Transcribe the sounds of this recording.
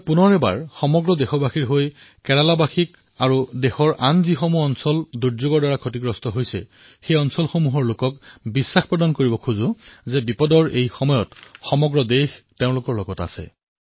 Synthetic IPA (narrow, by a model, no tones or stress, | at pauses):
punɔɹɛba̰ɹxɔmɔɡɹɔdɛxɔbaxiɹɦoj | kɛlalabaxik | aɹudexɔɹʔanzixomuɔnsɔlduɹzʊɡɔɹdaɹakʰotiɡɹɔstɔɦojsɛ̰ | xejɔnsɔlxomuɦɔɹlokɔkbisːaxpɹɔdankoɹibɔkʰuzʊzɛbipɔdɔɹejxɔmɔjɔtxɔmɔɡɹɔdexteʊ̃lʊkɔɹlɔɡɔta̰sɛ̰